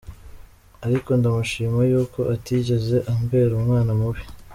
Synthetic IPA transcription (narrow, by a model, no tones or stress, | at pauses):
aɾiko̞ndamuʃiːmajuːko̞ʔatiɟe̞ze̞ʔambe̞ːɾumŋaːnamuβi̥